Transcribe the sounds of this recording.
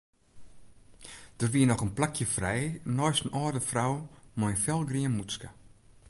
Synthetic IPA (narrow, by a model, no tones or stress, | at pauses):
d̥ərʋiənɔχənplakʰjəfrɛjnɔjstənʔɔːrdəfrawmɔjnfɛlˠɡriənmuskə